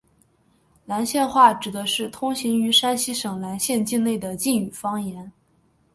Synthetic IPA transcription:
la˧˥nɕjɛ˥˧nxwa˥˩ʈ͡ʂɻ̩˨˩d̪ə˦ʂɻ̩˥˩t̪ʰʊ˥ŋɕi˧˥ŋy˧˥ʂa˥nɕi˥ʂɤ˨˩ŋla˧˥nɕjɛ˥˧nt͡ɕi˥˧nne˥˩ɪd̪ə˩t͡ɕi˥˩ny˨˩fɑ˥ŋjɛ˧˥n

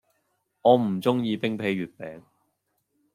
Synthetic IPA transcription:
ɔː˨˧m̩˨˩t͡sʊ˥ŋjiː˧pɪ˥ŋpʰe˨˧˥jɥyː˨t̚pɛː˨˥ŋ

